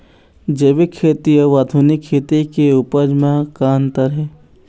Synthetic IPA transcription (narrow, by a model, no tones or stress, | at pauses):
d͡ʒeʋikʰːeːt̪ijəʋaːd̪ʱuːnikʰːeːt̪ekeupəd͡ʒmãkaːnt̪əɾɦɛː